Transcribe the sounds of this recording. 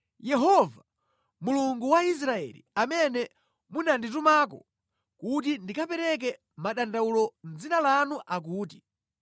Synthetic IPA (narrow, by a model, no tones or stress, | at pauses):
jɛɦɔva | muluŋɡuwais̬ɾaɛ̰lḭamɛnɛ | munandit̬umak̬ɔ̰ | kut̬indikapɛɾɛk̬ɛ | maɗandaulɔnd͡zinalanuʔak̬uːti